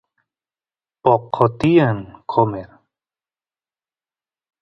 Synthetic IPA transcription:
pɔqʰːɔt̪ijankʰomeɾ

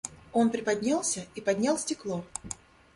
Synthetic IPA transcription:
o̞npɾʲɪpɐdʲnʲalˠsʲəipɐdʲnʲalˠsʲtʲɪklˠo̞

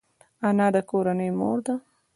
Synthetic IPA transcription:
anɑd̪əkoɾanəjmo̰ɾd̪a

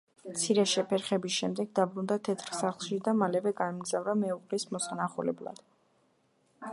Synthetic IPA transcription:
mt̪sʰiɾɛʃɛpʰɛɾχɛbisʃɛmd̪ɛɡd̪abɾund̪at̪ʰɛt̪ʰɾsaχlˠʃid̪amalɛvɛɡaɛmɡzavɾamɛuqʼlismɔsanaχulɛ̰blˠa̰d̪̥

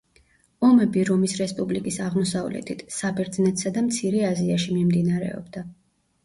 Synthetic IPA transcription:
ɔmɛbiɾɔmisɾɛspʼublikʼisaʁmɔsavlɛ̰t̪ʰit̪ʰsabɛɾd̪znɛt̪ʰsad̪amt̪sʰiɾɛaziaʃimimd̪inaɾɛ̰ɔ̰bd̪a

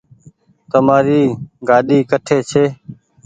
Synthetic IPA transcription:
t̪əmaːɾiːɡaːɗiːkəʈʰeːt͡ʃʰeː

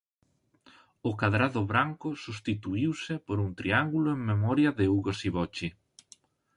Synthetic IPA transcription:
ʊkaðɾaðʊβɾaŋkʊsust̪it̪uiwsɪpoɾuŋt̪ɾiaŋɡulʊeŋmemɔɾjɐðɪuɣosiβɔt͡ʃɪ

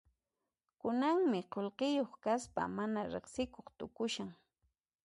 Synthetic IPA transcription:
kʊnaŋmɪqolqɪjoχkaspa̰manaɾeχsɪkoχt̪ʊkʊʃaŋ

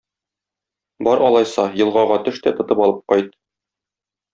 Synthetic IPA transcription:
bɒɾɒlˠɑjsɑjɤ̆lˠʁɑʁɑt̪ɵ̆ʃt̪æt̪ŏt̪ɤpɒlˠɤp̚qɒjt̪̚

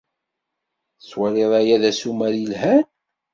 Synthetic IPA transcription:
swæleðˤæjæðæsumæɾjəlhæn

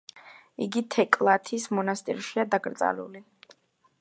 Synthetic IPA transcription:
iɡit̪ʰɛkʼlˠat̪ʰismɔnast̪ʼḭɾʃiad̪aɡɾt̪sʼa̰lṵli

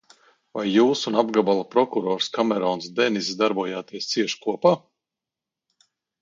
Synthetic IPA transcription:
vajːuːsunabɡabalˠapɾɔkuɾɔːɾskamɛɾɔːnsd̪ɛnisd̪aɾbuɔjaːt̪iɛst̪siɛʃkuɔpaː

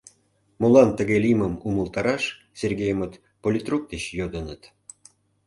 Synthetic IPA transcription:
molɑnt̪əɣelʲiməmuməlˠt̪ɑɾɑʃ | serɡejəmət̪ | polʲit̪ruk̚d̪eɕjod̪ənət̪

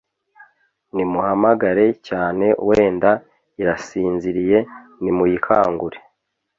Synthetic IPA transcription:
nimuhamaɡaɾe̞caːne̞ʔweːnda | iɾasiːnziɾije̞nimujikʰaːŋɡuɾe

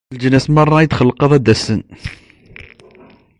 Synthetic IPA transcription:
ld͡ʒənæsmɑrˤːɑjət̪χəlːqəðˤæd̪æsən

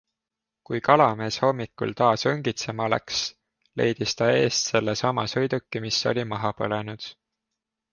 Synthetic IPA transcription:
kujkɑlɑme̞ːsho̞mːikṵlt̪ɑːsɤŋɡ̥it̪se̞mɑlæ̰ks | le̞̰jd̪̥ist̪ɑe̞ːst̪se̞lːesɑmɑsɤjd̪̥ukːˑimiso̰lʲimɑɦɑpɤ̰le̞nud̪̥

